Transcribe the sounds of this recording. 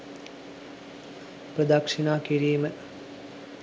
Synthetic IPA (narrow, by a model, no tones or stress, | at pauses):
pɾəd̪akʂinaːkiɾiːmə